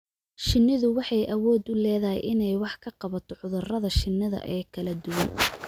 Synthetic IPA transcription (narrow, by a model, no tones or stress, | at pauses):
ʃɪnːɪðʊwɑħɑjʔɐwɔːd̪ʊlɛːðɐɦɛ̰jʔɪnɛjwɑħkʰɐqɑβɐt̪ʰɔʕʊðʊrɐðɐʃɪnːɐðɐ̰ʔɛːkʰɐlɐd̪ʊwɐn